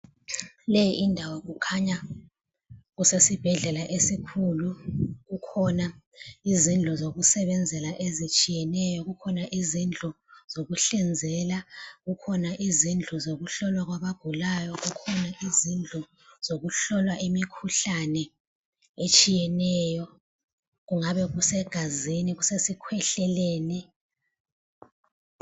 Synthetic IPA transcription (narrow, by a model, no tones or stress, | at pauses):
lejiʔindʱawaɣ̬ukʰaɲa | ɣusesib̥ʱɛɮɛlaʔesikʰuluɣukʰɔna | izind͡ɮʱɔzoɣusɛβɛnd͡zʱɛlaʔezit͡ʃʼijɛnɛjɔɣukʰɔnaʔizind͡ɮʱɔ | z̥oɣuɬɛnd͡zʱɛlaɣukʰɔnaʔizind͡ɮʱɔzoɣuɬɔlwaɣwaβaɡ̥ʱulajɔɣukʰɔnaʔizind͡ɮʱɔ | z̥oɣuɬɔlwaʔimikʰuɬanɛ | et͡ʃʼijɛnɛːjɔ | ɣuŋaβɛɣusɛɡ̥ʱaziniɣusesikʰwɛɬɛleːni